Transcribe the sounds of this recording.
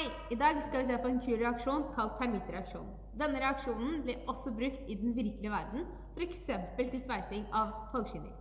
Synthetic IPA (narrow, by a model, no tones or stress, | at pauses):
hæɪ | ɪd̪ɑːɡskɑlʋɪs̬eːpɔɛnkʰʉːɾɛɑkʂuːnkʰɑlt̪ʰːæɾmɪt̪ɾɛɑkʂṵːn | d̪ɛnːəɾɛɑkʂuːnn̩blɪʔɔsːɔbɾʉkt̪ɪd̪ɛnʋɪɾkəlɪəʋæɾd̪n̩ | fɔɾɛksɛmpəlt̪ɪlspæɪsɪŋɑʋfɔlɡʂɪnɪ̰ɾ